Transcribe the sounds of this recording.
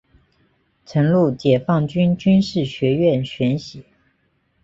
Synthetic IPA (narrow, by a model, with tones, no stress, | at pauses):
ʈ͡ʂʰə˧˥ŋlu˥˩t͡ɕjɛ˨˩fɑ˥˩ŋt͡ɕy˥nt͡ɕy˥nʂɻ̩˥˩ɕɥɛ˧˥ɥɛ˥˩nɕɥɛ˧˥nɕi˨˩˦